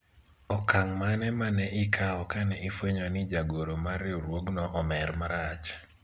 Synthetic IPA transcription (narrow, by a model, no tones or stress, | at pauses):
ɔkaŋmanɛmanɛʔɪkʰaɔkanɛʔɪfeɲɔnɪd͡ʒaɡoɾomaɾɪɾwoɡnɔʔɔmɛɾmaɾat͡ʃ